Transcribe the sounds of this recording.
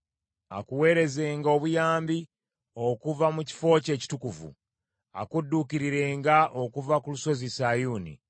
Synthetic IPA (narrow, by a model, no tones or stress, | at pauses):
akuwe̞ːɾe̞ze̞ːŋɡo̞βujaːmbi | o̞kuvamuci̥fo̞ce̞ːci̥tukuvṵ | a̰kudːukiɾiɾe̞ːŋɡaʔokuvakuluso̞zisajuːnḭ